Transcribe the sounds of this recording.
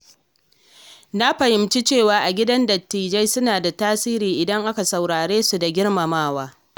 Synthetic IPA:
na˦ɸɐ˨hɪ˨mt͡ʃi˦t͡ʃeː˦˨waː˨ʔa˨ɡʲɪ˦dɐ˦ndɐ˨tːiː˨d͡ʒɐ˦jsʊ˦naː˨da˨taː˦siː˦ɾiː˨ʔɪ˨dɐ˦ŋʔa˦ka˨sa˨wɽaː˨ɽeː˦su˨da˨ɡʲɪ˦ɽma˨maː˦˨waː˦

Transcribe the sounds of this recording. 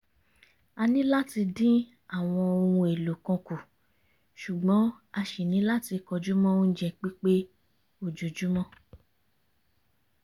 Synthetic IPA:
a˧nĩ˦la˦ti˧dĩ˦ | a˦˨w̃ɔ̃˧o˧ũ˧e˨lo˨kɔ̃˧ku˨ | ʃu˨ɡ͡bɔ̃˨˦ | a˧ʃi˨nĩ˨˦la˦ti˧kɔ˧d͡ʒu˦mɔ̃˦o˦n̩˦d͡ʒɛ˧k͡pi˦k͡pe˦ | o˦˨d͡ʒu˨d͡ʒu˨˦mɔ̃˦

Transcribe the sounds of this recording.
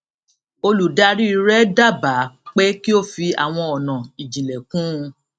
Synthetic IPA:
o˧lu˨da˧ɾi˦i˧ɾɛ˦da˦˨ba˨˦k͡pe˦ki˦o˦˨fi˧a̰˨w̃ɔ̃˧ɔ˨nã˨i˨d͡ʒĩ˨lɛ˨kũ˦˧

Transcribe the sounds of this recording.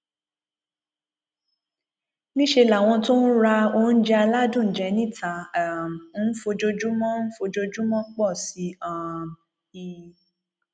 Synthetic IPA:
nĩ˦ʃe˧la˨w̃ɔ̃˧to˦n̩˦ɾa˧o˧˦n̩˦d͡ʒɛ˦a˧la˦dũ˦˨d͡ʒɛ˨˧nĩ˦˨tʰa˨m˦n̩˦fo˧d͡ʒo˧d͡ʒu˦mɔ̃˦n̩˦fo˧d͡ʒo˧d͡ʒu˦mɔ̃˦k͡pɔ˦˨si˨˦ã˦˧m | i˧

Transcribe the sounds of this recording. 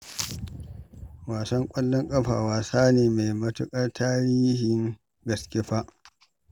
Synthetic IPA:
waː˨sɐ˦ŋkʷʼɐ˦lːɔ˦ŋkʼɐ˦ɸa̰ː˨waː˨saː˦neː˨me˨jmɐ˦tʊ˦kʼɐ˦rtʰaː˦ɾiː˦hɪ˨ŋ | ɡɐ˨skʲe˦ɸa˦ʔ

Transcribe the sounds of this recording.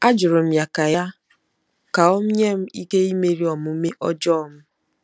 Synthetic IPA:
a˦d͡ʒʊ˨ɾʊ˨m̩˦ja˨ka˨ja˦ | ka˨o˦m̩˦ɲe˦m̩˦i˦ke˦i˦me˦ɾi˦ɔ˨mʊ˨˦me˦ʔɔ̰˦d͡ʒɔ˦˨m̩˦

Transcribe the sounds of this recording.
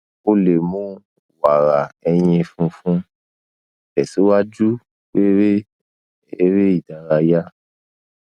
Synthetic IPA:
o˦le˨mũ˦ | wa˨ɾa˨ɛ˧j̃ĩ˧fũ˧fũ˦ | ɛ˨si˨˦wa˦d͡ʒu˦ | we˦ɾe˦ | e˦ɾe˦i˨da˨˦ɾa˧ja˦

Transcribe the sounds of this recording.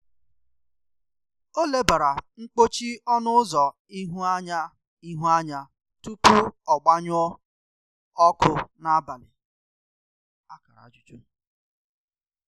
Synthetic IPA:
o˦le˦ba˨ɾa˨ŋ͡m̩˦k͡po˦t͡ʃi˦ɔ˦nʊ˦zɔ˨ | i˦ɦu˦a˦ɲa˦ | i˦ɦu˦a˦ɲa˦ | tu˦pu˦ɔ˨ɡ͡ba˦ɲʊ˦ɔ˦ | ɔ˦kʊ˦na˦a˦ba˨nɪ˨ | a˦ka˨ɾa̰˨d͡ʒu˨t͡ʃu˦

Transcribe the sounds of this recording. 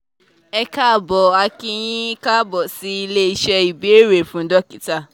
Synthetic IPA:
ɛ˧ka˦˨bɔ˨a˧kĩ˧j̃ĩ˦ka˦bɔ˨si˨˦i˧le˦i˧ʃɛ˧i˨be˨˦e˦ɾe˨fũ˨˦dɔ˦ki˨˦ta˦˨

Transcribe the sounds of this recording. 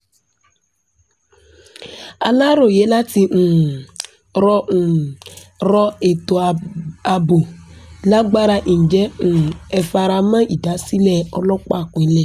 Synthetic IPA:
a˨la˦ɾo˦˨je˨˦la˦ti˧ŋ̩˨ | ɾɔ˦ŋ̩˨ | ɾɔ˦e˨t̪o˨a˨˧bo˨la˦ɡ͡ba˦ɾa˧ʔĩ˨d͡ʒɛ˦ŋũ˨ɛ˨fa˧ɾa˧mã˦ʔi˨da˨˦si˦lɛ˦˨ɔ˦lɔ˦k͡pa˦˨ku˨ɛ˨˦lɛ˦˨

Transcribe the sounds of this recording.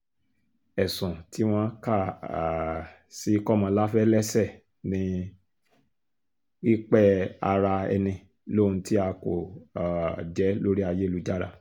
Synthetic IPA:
ɛ˨sɔ̃˨tʰi˨˦w̃ɔ̃˦ka˦˨a˨ | si˦kɔ˦˨mã˧˦la˦fɛ˦lɛ˦sɛ˦˨ | nĩ˨˦ | i˦k͡pɛ˦a˧ɾa˧ɛ̰˧nĩ˧ | lo˦˨ũ˧ti˦a˧ko̰˨ | d͡ʒɛ˨˦lo˦ɾi˦a˧je˦lu˨˦d͡ʒa˦ɾa˦˨

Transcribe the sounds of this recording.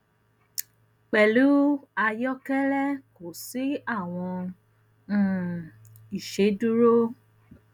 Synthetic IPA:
k͡pɛ˨lu˨˦a˧jɔ˦kɛ˦lɛ˦ko˨si˨˦a˦˨w̃ɔ̃˧˦˨ | i˨ʃe˨˦du˦ɾo˦

